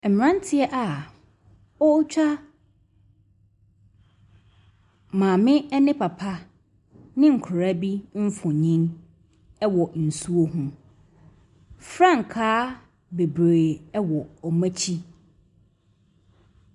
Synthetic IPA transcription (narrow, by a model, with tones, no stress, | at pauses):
ɛ˨m˨ã˦n˦tʰɪ˦ɛ˦ʔa˨ | ɔ˦t͡ɕᶣa˦ | mãː˨mɪ̃˦ɛ˦nɪ̃˦pʰa˨pʰa˦ | nɪ̃˦ŋ̩˨kʰʊ˨ɾa˦bi˦m̩˦fʊ̃˨ɲĩ˦n | ɛ˦wɔ˨n̩˨su˦o˦ɦũ˨ | fɾã˦˨ŋ˨kʰaː˦ | be˨bɾe˨ɛ˦wɔ˨ɔ˨mæ̃˦t͡ɕʰi˦